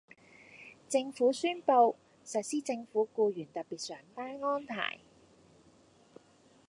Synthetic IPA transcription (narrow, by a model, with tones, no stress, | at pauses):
t͡sɪ˧ŋfuː˨˥syː˥npo˧w | sɐ˨t̚siː˥t͡sɪ˧ŋfuː˨˥kuː˧jyː˨˩nt̪ɐ˨t̚piː˨t̚sœː˨˥ŋt̪aː˥nŋɔː˥nt̪ʰa̰ː˨˩j